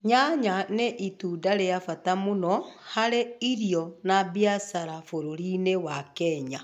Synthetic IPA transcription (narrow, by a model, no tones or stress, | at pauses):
ɲaɲaneʔitudaɾejafatamonɔhaɾeiɾijɔnabjasaɾafoɾoɾinewakɛɲa